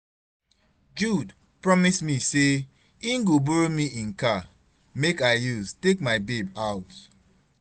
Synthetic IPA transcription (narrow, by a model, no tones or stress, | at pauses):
d͡ʒud | pɹɔmismise | ĩŋɡoboɹomiĩnka | mekaɪjuztek̚maɪbebaʊt